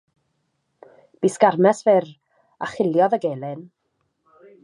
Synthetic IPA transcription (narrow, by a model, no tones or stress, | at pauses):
b̥iskarmɛsvɛr | aχɪlˠjɔðəɡeːlˠɪn